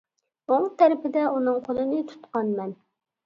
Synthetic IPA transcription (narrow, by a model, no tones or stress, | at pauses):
oŋt̪ʰæɾɪpɪd̪ɛʔunɨŋqʰolˠɨnɨt̪ʰu̥t̪qɑnmɛn